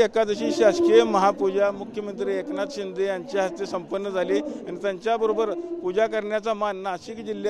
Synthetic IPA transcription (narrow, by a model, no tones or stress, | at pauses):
ekad͡z̪əɕiːɕaskeməɦapud͡ʑamukʰjəmənt̪ɾiːeknat̪ɕind̪ʱejaɲt͡ɕeɦast̪esəmpənːəd͡zʱaleanit̪jaɲt͡ɕjabəɾobəɾpud͡ʑakəɾɳjat͡samanːaɕiːkd͡ʑilj